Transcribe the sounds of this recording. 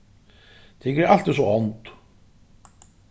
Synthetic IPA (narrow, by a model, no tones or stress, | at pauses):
t̪ʰɪkɛɾal̥t̪ɛsɔɔnt̪